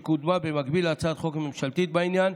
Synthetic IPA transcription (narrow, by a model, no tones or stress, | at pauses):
kud̪mabemakbilat͡sad̪χo̞kmemʃalt̪it̪̚bainjan